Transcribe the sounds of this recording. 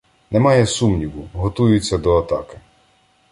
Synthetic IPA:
nɛmɑjɛsumnʲiʋʊɦɔt̪ujʊt͡sʲːɐd̪ɔɐt̪ɑkɪ̥

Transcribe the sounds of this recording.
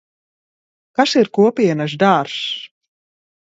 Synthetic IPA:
kasiɾkuɔpʲiɛnas̬d̪aːɾs

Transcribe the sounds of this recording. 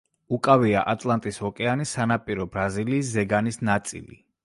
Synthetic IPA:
ukʼaviaʔat̪ʼlˠant̪ʼishɔkʼɛanisanapʼiɾɔbɾaziliːszɛɡanisnat̪sʼḭlḭ

